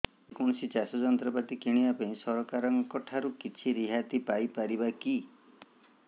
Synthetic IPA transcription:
ekɔɳ̃ɔsit͡ʃasɔd͡ʒɔnt̪ɾɔpat̪ikiɽ̃ibapaĩsɔɾɔkaɾɔŋkɔʈʰaɾukit͡ʃʰiɾiɦat̪ipajpaɾibaki

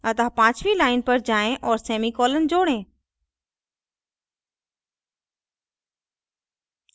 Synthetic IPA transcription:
ət̪ãpãːt͡ɕʋiːlaːɪnpɐɾd͡ʑaːẽʔɔːɾseːmikɔːlənɪ̆d͡ʑoːɽẽː

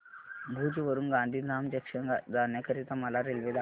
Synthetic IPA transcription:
bʱuːd͡ʑʋəɾuːnɡãnd̪ʱiːd̪amd͡ʑəkʂəd̪ʱanjəkəɾiːt̪əmalaɾelʋed̪a

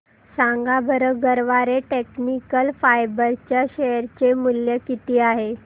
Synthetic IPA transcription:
saŋɡabʱəɾəɡəɾʋaɾeʈeknikəlfajbəɾt͡ɕjaɕeəɾt͡ɕemuljəkit̪iːaɦe

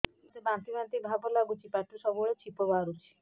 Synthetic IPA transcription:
t̪ɔbãt̪ibãnt̪ibʱabɔlaɡut͡ʃʰipaʈusɔbuɭet͡ʃʰipɔbaɾut͡ʃʰi̥

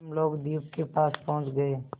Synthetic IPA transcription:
mloːɡd̪iːp̚kepaːspɔɦʊ̃t͡ʃɡəeː

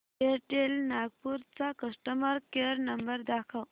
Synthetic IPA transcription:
eɾʈelnaɡ̚puɾt͡sakəʂʈəməɾkeɾnəmbəɾd̪akʰəw

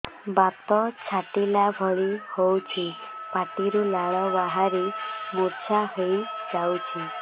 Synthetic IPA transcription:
bat̪ɔt͡ʃʰaʈilabʱɔɭihowt͡ʃʰipaʈiɾulaɭɔbaɦaɾimuɾt͡ʃʰaɦejd͡ʒawt͡ʃʰi

